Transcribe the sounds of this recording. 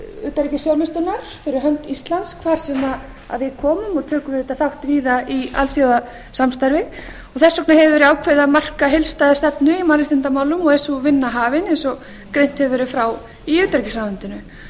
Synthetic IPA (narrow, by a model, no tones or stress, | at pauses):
ʏ̰ːt̪aɾicɪsjawɾmɪst̪ʏnaɾ̥fɪɾɪɾɦœnt̪ist̪lanskʰvaːɾ̥sɛma | a̰ðvɪðkʰɔːmʏmɔɣt̪ʰœːkʏvɪðɪt̪aθawht̪viːðaia̰lθjowða | samst̪aɾvɪ | ɔɣθɛsːɔknahɛvɪvɛɾʏaːwkʰvɛðamar̥kaɦɪlst̪ajðast̪ɛpnʏimalɪst̪ɪnt̪amaːwlʏmɔɣɛsuvɪnːaɦaːvɪnɛnsɔ | kɾejn̥t̪hɛvvɛɾʏfɾaw | iʏːt̪aɾicɪsavʏnt̪ʏnʏ